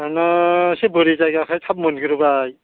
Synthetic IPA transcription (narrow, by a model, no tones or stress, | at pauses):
anasebɯɾizajɡakʰajt̪ʰap̚mɔnɡʰɯɾɯbaj